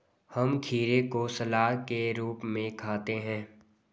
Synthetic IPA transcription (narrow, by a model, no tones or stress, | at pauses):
hɐmkʰiːɾekosɐlaːɦkeɾuːpmẽkʰaːt̪eɦɛ̃ː